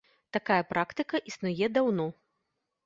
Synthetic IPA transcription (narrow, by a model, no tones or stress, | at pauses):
t̪akajɐpɾakt̪ɨkɐʔisnujɛd̪awnɔ